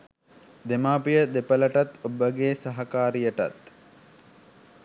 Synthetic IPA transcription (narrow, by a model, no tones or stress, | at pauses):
d̪emaːpijəd̪epələʈat̪obəɡeːsɐɦɐkaːɾijəʈa̰t̪